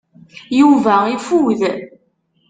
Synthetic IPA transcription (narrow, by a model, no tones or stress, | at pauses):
juvæifuð